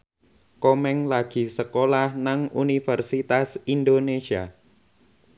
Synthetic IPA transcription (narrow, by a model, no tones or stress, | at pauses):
komɛŋlaɡ̥i̤səkolahnaŋunifərsit̪asind̪onesia̰